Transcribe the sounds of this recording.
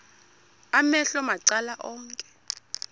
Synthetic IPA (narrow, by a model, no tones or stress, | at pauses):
amɛɬɔmaǀalaʔɔːŋkʼɛ̥